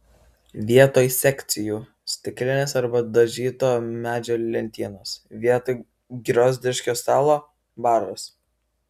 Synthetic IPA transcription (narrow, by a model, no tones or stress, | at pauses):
ʋʲiɛt̪oːjsʲɛkʲt̪sʲɪjuː | sʲt̪ʲɪkʲlʲɪnʲeːsɐɾbɐd̪ɐʒʲiːt̪oːmʲæːd͡ʒʲoːlʲɛnʲt̪ʲiːnoːsʋʲiɛt̪oː | ɡʲɾʲoːzʲd̪ʲɪʃʲkʲoːst̪ɑːlˠoː | bɑːˑɾʋɐs